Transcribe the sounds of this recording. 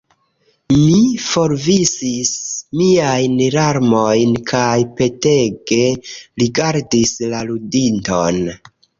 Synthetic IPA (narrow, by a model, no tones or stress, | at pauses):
mifo̞ɾvisismiajnɾaɾmo̞jnkʰajpe̞te̞ɡe̞ɾiɡaɾdislaludinto̞n